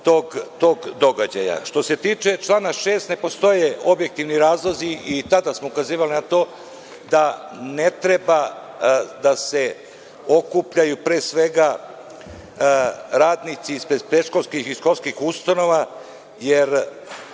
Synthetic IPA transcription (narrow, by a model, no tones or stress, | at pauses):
t̪o̞ːɡt̪o̞ːɡd̪o̞ɡad͡ʑa̰ja̰ʃt̪o̞se̞t̪iːt͡ʂe̞t͡ʃlˠaːnaʃe̞ːst̪ne̞po̞st̪o̞jeo̞bje̞k̚t̪iʋniɾaːzlˠoziit̪ad̪asmoukaziːʋalinat̪o̞ː | d̪a | net̪ɾe̞ba | d̪ase̞ | o̞kupʎajupɾe̞ːsʋe̞ɡa | ɾaːd̪nit̪siispɾed̪pɾeʃkolskixiʃko̞lskixust̪ano̞ʋa | jeɾ